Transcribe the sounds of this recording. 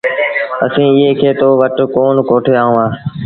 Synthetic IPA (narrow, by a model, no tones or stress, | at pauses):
əsĩːɪɦeːkʰeːt̪oːʋəʈkoːnkoːʈʰeːaːɦũːaː